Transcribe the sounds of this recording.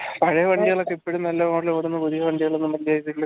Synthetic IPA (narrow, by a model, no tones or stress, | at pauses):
pɐɻɐjɐʋɐɳɖiɣɐɭokːeipːoɽumnɐlːɐmoːɽiloːɽunːɨpuðiɣɐʋɐɳɖiɣɐɭonːɨmɐlːijaːikːilːɐ